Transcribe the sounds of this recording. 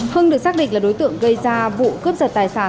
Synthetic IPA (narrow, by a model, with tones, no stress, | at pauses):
həː˧nɗɨ˨˩ək̚saː˦˥k̚ɗḭ˧˨ŋ̟laː˨˩ɗo˨˦jt̪ɨ̰˧˨əŋɣə˧jzaː˧vṵ˧˨kəp̚zə˨˩t̚t̪aː˨˩jsaː˧˩